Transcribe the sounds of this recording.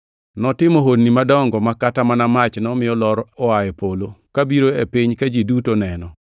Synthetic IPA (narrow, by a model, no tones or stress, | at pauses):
nɔtɪmoɦodnimadɔŋɡɔmakatamanamat͡ʃnɔmɪjɔlɔɾɔajɛpolokabiɾoepiɲkad͡ʒidutonɛnɔ